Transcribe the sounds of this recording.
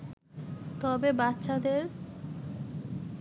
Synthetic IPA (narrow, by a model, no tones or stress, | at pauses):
t̪ɔbebatːʃad̪eɾ